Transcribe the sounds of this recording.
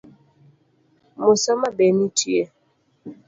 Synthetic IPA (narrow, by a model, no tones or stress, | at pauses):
mosɔmabɛmitiɛ